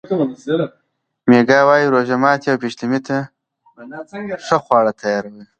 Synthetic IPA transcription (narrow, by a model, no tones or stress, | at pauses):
meɡɑwɑjiɾoʒamɑːt̪jawpiʃlimit̪a | ʂəxwɑːɽat̪ʰajɑːɾawə